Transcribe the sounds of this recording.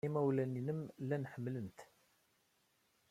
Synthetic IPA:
imæwlæninəmlænħəmːlənt̪

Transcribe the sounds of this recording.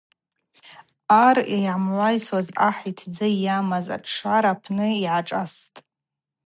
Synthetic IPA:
arejʕamlʷajswazaħitʰd͡zɨjamaza̰ʈ͡ʂʰʂaɾapʰnɨiʕaʈ͡ʂʼastʼ

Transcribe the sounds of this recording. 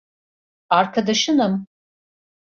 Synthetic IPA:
aɾkʰad̪aʃɯnɯm

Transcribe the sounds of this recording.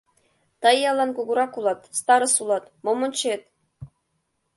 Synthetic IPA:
t̪ɤjːɑlˠɑnkuɡuɾɑkulˠɑt̪st̪ɑɾɤ̆sulˠɑt̪momonʲt͡ɕet̪̚

